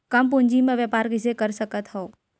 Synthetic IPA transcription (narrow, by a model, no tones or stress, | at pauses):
kəmpʊ̃ɲd͡ʒimẽʋjəpaɾkɪsekəɾsəkət̪ɦoː